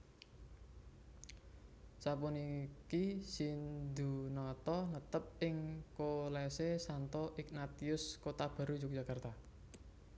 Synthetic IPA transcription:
sapunikisind̪ṳnɔt̪ɔnət̪əp̚ɪŋkolɛsesant̪ɔʔɪknat̪iʊskot̪ab̥ä̤ɾud͡ʒuk̚d͡ʒ̥a̤kart̪a

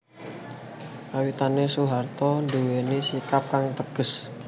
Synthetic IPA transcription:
kawit̪anesuɦart̪ɔnduwenesikap̚kaŋt̪əɡ̥ə̤s

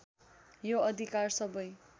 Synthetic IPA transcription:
joʌd̪ʱikarsʌbʌj

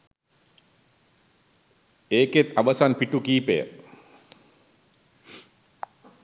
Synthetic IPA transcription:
eːket̪aʋəsanpiʈukiːpejə̰

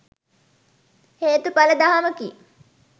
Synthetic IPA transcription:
heːt̪upaləd̪aɦaməki

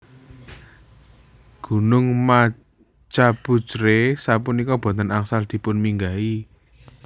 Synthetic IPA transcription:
ɡ̥ṳnʊŋma | t͡ʃapud̥t͡ʃɾesapunikɔb̥ɔ̤nt̪ənaŋsald̪̥i̤pʊnmiŋɡai

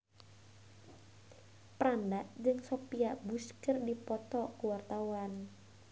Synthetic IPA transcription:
pɾandaʔd͡ʒɨŋsopiaʔbuskərdipɔt̪ɔkuwart̪awan

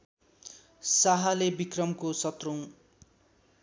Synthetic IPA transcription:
saɦalebikrʌmkosʌt̪row̃

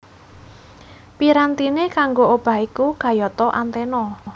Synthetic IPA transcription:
piɾant̪inekaŋɡoob̥a̤ɦikukä̤jɔt̪ɔʔant̪enɔ

